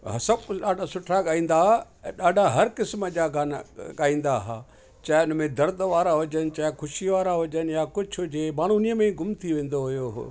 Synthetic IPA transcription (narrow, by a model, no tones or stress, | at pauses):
ɦsɐbɗaːɖʱasʊʈʰaɠaːĩːn̆d̪a | ɗaːɖʱaɦɐɾkɪsmə̆d͡ʑaːɡaːnɡaːĩːnd̪aɦaː | t͡ɕaːɪʊnmẽd̪ɐɾd̪ʱʋaːɾaɦʊd͡ʑənɪ̆t͡ɕaːɪxʰʊʃiʋaːɾaɦʊd͡ʑənjakʊd͡ʑʱʰɦʊd͡ʑemaːɽ̤uniəmẽɡʊmt̪ʰiʋẽːn̆d̪oɦʊjoɦ